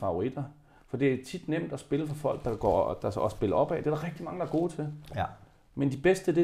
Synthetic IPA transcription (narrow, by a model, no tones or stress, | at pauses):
fɑ̈ʊ̝ʁid̥ɐ | fɒ̽d̥e̝æt͡sʰid̥nem̰d̥ɒsb̥e̝ləfɒfɒ̽l̰ɡ̥̚d̥ɑ̈ɡ̥ɒ̰ːd̥ɑ̈sɒsb̥e̝lɐɒ̽b̥ɛ̰ːd̥eæɾ̥ɑ̈ʁɛɡ̥̚d̥imɑ̈ŋəd̥ɑɐɡ̥o̝̰ːt͡sʰe̝l | mend̥ib̥esd̥əd̥e̝